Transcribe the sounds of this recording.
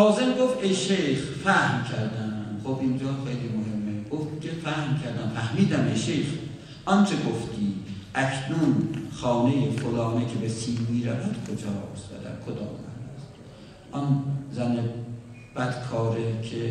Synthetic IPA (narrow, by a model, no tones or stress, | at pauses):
lɒːzemɡoft̪ejʃejxfæhmkʰæɾd̪æχobʔind͡ʒɒːxejliːmohe̞mːeɡ̥oft̪kʲʰefæhmcʰæɾd̪æmfæhmiːd̪æmejʃejx | ʔɒnt͡ʃʰeɡoft̪ʰiːʔækʰnunxɒːnejefolɒːnecʰebesiːnmiːɾævæd̪̥kʰod͡ʒɒːst̪væ̰d̪æ̰ɾkʰod̪ɒ̰ːmæ̰nd̪æst̪ | ʔɔnzæne | b̥æd̪̥kʰɒːɾekʰe